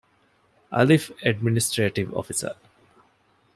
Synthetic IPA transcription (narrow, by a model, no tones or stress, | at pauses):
a̰lifɛɖ̚minisʈɾeːʈiʋɔ̰fisə̰ɾ